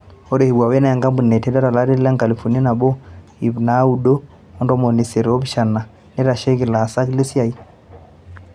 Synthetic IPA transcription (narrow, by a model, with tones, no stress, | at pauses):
ɔ˦ɾe˨hi˨wa˨wɛ˦na˦ja˨ŋɡa˦mbu˨nɛ˨tɛ˦dɔ˦ɾa˨la˦ɾi˦ɾla˦ŋka˨li˨fu˨ni˦i˦na˨bɔ˦ | i˨βna˨˦u˨do˦ | ɔ˦ndɔ˦mɔ˨ni˨se˨ɾɔ˦bi˦ʃa˨na˨ | nɛ˦ɾa˨ʃe˦ɡi˨la˨sa˦kle˦si˦a˨i˦